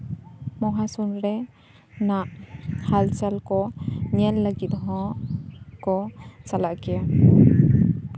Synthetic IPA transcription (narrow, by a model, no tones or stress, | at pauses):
mɔɦasunɾɛ | naʔhalt͡ʃalkɔɲɛlːəɡit̪̚ɦɔ̃ | kɔt͡ʃalaʔkija